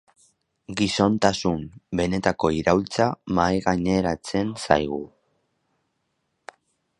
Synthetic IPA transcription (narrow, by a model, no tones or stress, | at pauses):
ɡiso̞nt̪asumbe̞ne̞t̪ako̞iɾawlt͡samajɣaɲe̞ɾat͡se̞nsa̰jɣ̞u